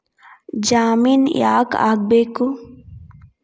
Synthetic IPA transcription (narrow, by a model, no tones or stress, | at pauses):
d͡ʒaːminja̰ːka̰ːk̚beku